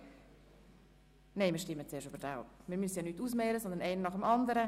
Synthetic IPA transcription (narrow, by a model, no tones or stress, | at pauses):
neɪmiːʃtɪmːət͡seːʃybəɾdapmiɾmyəsəjɑnyːtːuːsmɛːɾəsɔnd̪ənɛɪnənɑχəmɑnd̪əɾə